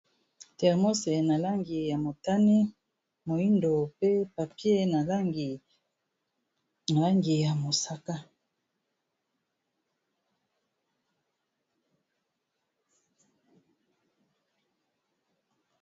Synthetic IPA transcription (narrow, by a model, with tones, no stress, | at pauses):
tɛ˨ʁmo˦se˨na˨la˦ŋɡi˨ja˨mo˨ta˦ni˦ | mo˨i˦ndo˨pe˦pa˨pje˦na˨la˦ŋɡi˨ | na˨la˦ŋɡi˨ja˨mo˨sa˦ka˦